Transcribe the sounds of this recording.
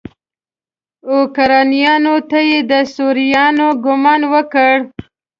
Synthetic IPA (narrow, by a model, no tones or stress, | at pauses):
okaɾɑnijɑnot̪ajed̪əsuɾijɑnoɡʊmɑnwəkəɽ